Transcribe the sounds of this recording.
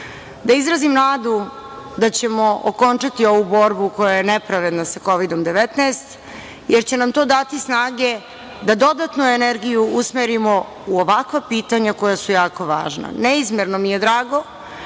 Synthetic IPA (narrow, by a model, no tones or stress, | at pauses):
d̪aizɾazimnaːd̪u | d̪at͡ɕe̞mo̞ʔo̰ko̞nt͡ʃat̪io̞ʋubo̞ɾbuko̞jajenepɾaʋe̞d̪nasako̞ʋid̪o̞md̪e̞ʋet̪naːst̪ | jeɾt͡ɕe̞namt̪o̞ːd̪at̪isnaːɡe̞ | d̪ad̪o̞d̪at̪nueneɾɡijuusmeɾimo̞ | uoʋakʋapiːt̪aɲako̞jasujaːko̞ʋa̰ːʒna̰neizmeɾnomijed̪ɾaːɡo̞